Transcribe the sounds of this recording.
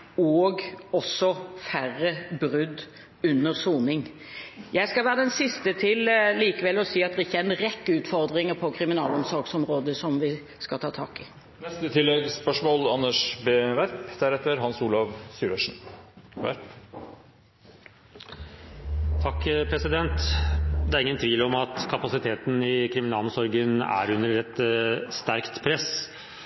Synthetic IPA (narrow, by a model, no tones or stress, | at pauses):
ɔːɡɔsːɔfæʁːəbɾʉd̪ | ʉnːəʁsuːnɪŋ | jæɪskɑʋæːʁəd̪ɛnsɪst̪ət̪ʰɪlliːkəʋɛlːɔsiːɑt̪d̪ʁɪçːəæɪnɾɛkːəʉːt̪fɔʁd̪ʁɪŋəpʰɔkʰɾɪmɪnɑːlɔmsɔɾɡsɔmɾoːd̪əsɔmʋɪ | skɑlt̪ʰɑːt̪ʰɑ̰ːkɪ | nɛst̪ət̪ʰɪlːɛɡspœʂmɔːlɑnːəʂbeːʋæɾpd̪̥æɾɛt̪ːəɾɦɑnsuːlɑʋsyːɾəʂn̩ʋæ̰ɾp | t̪ʰɑkːpʰɾɛsɪd̪ɛnt̪d̪ɛæɾɪŋːənt̪ʰʋiːlɔmɑt̪kʰɑpɑsɪt̪ʰeːt̪nɪkʰɾɪmɪnɑːlɔmsɔɾɡənæ̰ɾʉnːəɾɛt̪st̪æɾkt̪pʰɾɛs